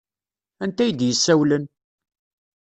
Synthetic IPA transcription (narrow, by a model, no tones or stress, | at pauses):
ænt̪æjəd̪jəsːæwlən